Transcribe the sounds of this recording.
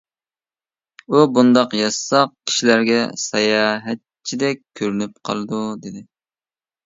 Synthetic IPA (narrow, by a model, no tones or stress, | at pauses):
ubund̪ɑqjɑsɑq̚kʲʰi̥ʃilæɾɡʲɛ̰sɛjɑːɦɛt̪̚t͡ʃʰid̪ɛk̚ʲkʲʰːøɾynyp̚qʰɑ̰lˠɨd̪ud̪ɪd̪ɪ